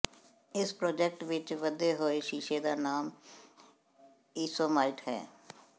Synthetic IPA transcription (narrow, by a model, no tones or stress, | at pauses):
ɪspɾoːd͡ʒɛk̚ʈʋɪt͡ʃʋəd̪eːɦoːeːʃiːʃeːd̪aːnaːm | iːsoːməlʈhɛ̰ː